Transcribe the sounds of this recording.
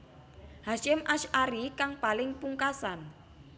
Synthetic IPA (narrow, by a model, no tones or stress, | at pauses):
haʃɪmʔaʃʔaɾikaŋpalɪŋpuŋkasan